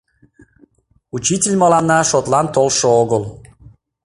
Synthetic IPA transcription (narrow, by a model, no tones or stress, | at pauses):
ut͡ɕitʲelʲməlɑnːɑʃot̪lɑnt̪olʃooɣəl